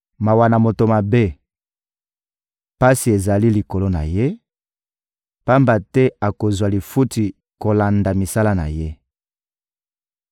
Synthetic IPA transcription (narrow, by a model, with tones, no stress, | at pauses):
ma˨wa˨na˨mo˨to˨ma˨be˦ | pa˦si˨e˨za˨li˦li˨ko˨lo˦na̰˨je˦ | pa˦mba˨tɛ˦a˨ko˨zwa˨li˨fu˦ti˨ | ko˨la˨nda˨mi˨sa˦la˦na̰˨je˦